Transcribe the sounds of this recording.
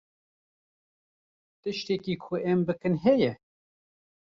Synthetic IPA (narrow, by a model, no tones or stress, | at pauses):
t̪ɨʃt̪ekiːkʰʊʔɛmbɨkɨnɦɛjɛ